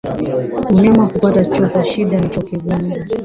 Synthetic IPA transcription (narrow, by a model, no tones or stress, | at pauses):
uɲamakupatat͡ʃɔkaʃiɗanit͡ʃɔkiɠunda